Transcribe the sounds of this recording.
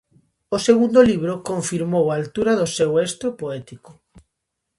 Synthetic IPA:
oseɣund̪oliβ̞ɾokoɱfiɾmowaːlt̪uɾaðosewest̪ɾopoɛt̪iko̥

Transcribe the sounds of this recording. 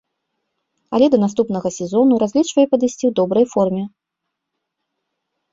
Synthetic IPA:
ɐlʲɛd̪ɐnast̪upn̪ɐɣɐsʲɛzɔnuɾazʲlʲit͡ʂvɐjɛpɐd̪ɨsʲt͡sʲiwd̪ɔbɾɐjfɔrmʲɛ

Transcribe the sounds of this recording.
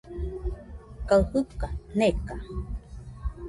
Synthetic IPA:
kauhukaneka

